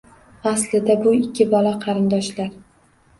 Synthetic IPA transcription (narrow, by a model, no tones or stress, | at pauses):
aslɪd̪abʊɪkʲʰːɪbɒlaqʰɑɾɪnd̪ɒʃlaɾ